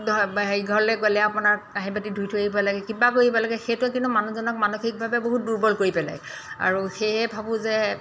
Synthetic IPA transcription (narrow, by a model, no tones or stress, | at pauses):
dɔeɡʱɔɹlɛɡolɛapʊnaɹaɦibatidʱujtʰoeibalaɡɛkibakoɹibalaɡɛxetʊɛk̬inumanuzɔnɔk̚manoxik̚bʱabɛboɦut̚duɹbɔlkoɹipɛla̰j | a̰ɹuxeɛbʱabʊzɛ